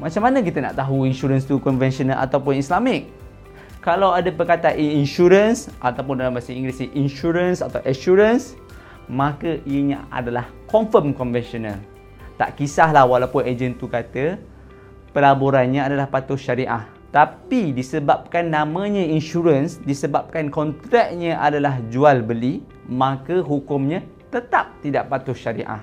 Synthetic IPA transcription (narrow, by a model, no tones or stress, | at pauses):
mat͡ʃamːanək̬it̪əna̰ʔt̪aɦuinʃuɾənst̪ukɔnvɛnsɔnalʔa̰t̪awpʊnislamɪk̚ | kːalawadapəkat̪aʔiinʃuɾənsʔat̪awp̬ʊndalambasaiŋɡɾisiʔinʃuɾənsat̪awʔəʃuɾəns | mãkəiəɲãa̰dalah | kɔnfəmkɔnvɛnsɔnal | t̪a̰ʔkisaɦlahwalawpʊned͡ʒənt̪ukat̪ə | pəlaboɾanɲãadalahpat̪ʊʃaɾiʔa̰h | t̪apidisəbap̚kanːãmãɲãinʃuɾənsdisəbap̚kankɔnt̪ɾɛk̚ɲãʔadalahd͡ʒualbəli | mãkəɦukʊmɲãt̪ət̪ap̚t̪idaʔpat̪ʊʃaɾḭʔa̰h